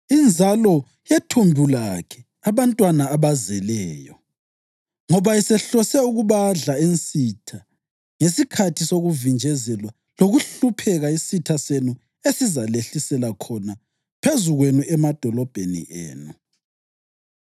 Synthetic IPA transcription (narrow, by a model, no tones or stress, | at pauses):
ind͡zʱalɔ | jetʰumbʱulakʰɛ | aβantʼwanaːβazɛlɛːjɔ | ŋɔβaisɛɬɔsɛuɣuβaɮaensʼitʰa | ŋesikʰatʰisoɣuvind͡ʒʱɛzɛlwa | loɣuɬupʰɛɣaisitʰasenu | esizaleɬisɛlakʰɔna | pʰezuɣwenuʔɛmad̥ʱɔlɔb̥ʱenḭʔḛːnu